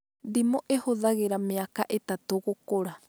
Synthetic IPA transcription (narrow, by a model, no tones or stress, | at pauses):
dimoʔehoðaɣeɾameakaʔet̪at̪oɣokoɾa